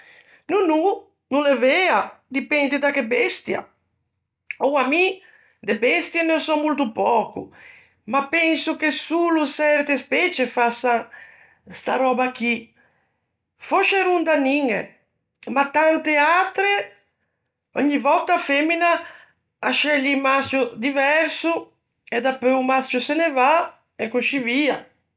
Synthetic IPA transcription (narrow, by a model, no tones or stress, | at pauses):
nunu | nũlevead̪ipɛnd̪id̪akebɛst̪ja̰ | ɔami | d̪ebɛst̪jenesɔmult̪upɔːkṵ | mapɛnsukesulusɛɾt̪espɛt͡ʃefasaŋ | st̪a̰ɾɔːbak̟i | foʃeɾund̪aniŋḛ | mat̪ant̪eat̪ɾe | ɔɲːivɔt̪ːafɛmːina | aʃɛʎimast͡ʃjud̪ivɛɾsu | ɛd̪apøumast͡ʃuseneva | ɛkuʃivia̰